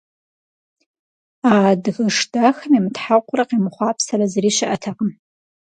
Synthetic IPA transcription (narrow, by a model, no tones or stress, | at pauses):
adɣəʂdaxɐmimtħaqʷʼʊraqimχʷaːpʰsaɾazriːʃɪʔatʰaqʼəm